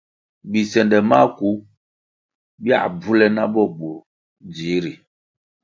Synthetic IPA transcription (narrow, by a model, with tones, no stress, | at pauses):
bi˨sɛ˨ndɛ˨ma˦˨ku˨˦ | bi˦a̰˨b͡vu˦lɛ˦na˦ɓɔ˦˨ɓo˨ | d͡zi˨˦ɾi˨